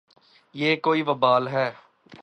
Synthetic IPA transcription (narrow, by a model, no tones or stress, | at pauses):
jeːkoːiʋəbaːlɦɛː